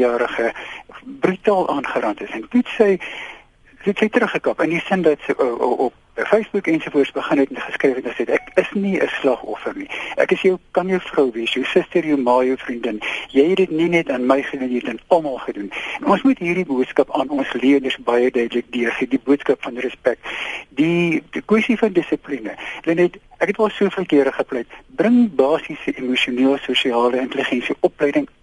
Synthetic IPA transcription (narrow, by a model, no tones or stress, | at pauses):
jɑːɾəχəbrytɑːlˠʔɑːnχəɾɐntəsɛntutsəj | tutsəjtɾəχəkɐpəndisəndɐtsʔɔʔɔp̚ | fejsbukɛnsufuərtsbəχənɦɛtɛnχəskrɛjfɛtsɛtækəsniəslɐχɔ̰fərniʔæ̰kəsjœwkɐnjəwfrœwviəsjəwsəstərjəwmɑːjəwfrindənjɛjɛdətninɛtɑːnməjχədunjɛɛtdənɐlˠmɑːlˠχədunɛnɔnsmutɦiːrdibuətskɐpɑːnɔnsliədərsbɐjədœɥdələk̚diərχidibuətskɐpfɐnirəspæk̚tdikwɛsifɐndəsəplinəənɛjt | ʔækɦɛtmɑlˠsuəfiəlˠkiəɾəχəplɛjtbrəŋbɑːsisəʔimuʃiuniːlˠsuːʃiɑːləəntəliχɛnsiʔɔplɛjdəŋ